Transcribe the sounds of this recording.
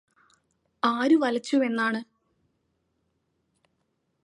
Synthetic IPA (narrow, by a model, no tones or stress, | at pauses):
aːɾuʋɐlɐt͡ɕːume̞nːaːɳɨ